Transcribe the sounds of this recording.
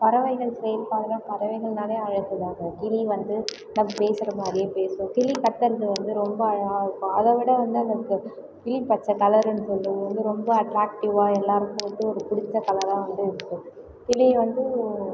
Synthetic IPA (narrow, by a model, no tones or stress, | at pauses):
pɐɾɐʋɐɪɣɐɭsɾɛjɪlpaːlɐɾãːpɐɾɐʋɐɪɣɐlnaːleːɐɻɐt̪ːɐðaːɣɐk̪ɪliʋɐnd̪ɯ | nɐmɐpeːsɪɾɐmaːd̪ɾɪjepeːsõːkɪlikɐt̪ːɐɾðɯʋɐnd̪ɯɾɔmbɐɐɻaːɯkːõɐðɐʋɪɽɐʋɐnd̪ɯɐnɐkːɯ | kɪlipɐt͡ʃːɐkɐlɐɾnːɯsɔlːɯʋɐnd̪ɯɾɔmbɐɐʈɾaːk̚ʈɪʋaːɛlːaːɾɯkːɯ̃ʋɐnd̪ɯɔɾɯkʊɽɪt͡ʃ̪ːɐkɐlɐɾãːʋɐnd̪ɯɪɾɯkːɯ̃ | t̪ɪlɪʋɐnd̪ɯ